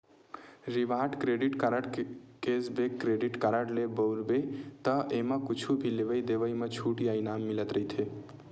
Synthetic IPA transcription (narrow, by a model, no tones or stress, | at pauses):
ɾiʋaʈkɾeɖiʈkəɾəɽkesbekːɾeɖiʈkəɾəʈlebəʊɾbet̪əeməkut͡ʃʰubʱileʋəjd̪eʋəjmət͡ʃʰuʈiajnamːilət̪ɾəɦit̪ʰe